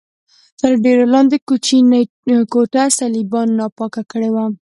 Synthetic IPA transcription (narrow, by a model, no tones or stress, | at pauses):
t̪əɾɖeɾalɑnd̪ekut͡ʃin | koʈasalibɑnːɑpɑkakəɽewa